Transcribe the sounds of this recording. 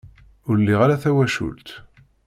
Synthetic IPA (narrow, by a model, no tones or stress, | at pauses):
ʊɾlːiʁaɾaθæwæʃṵlt̪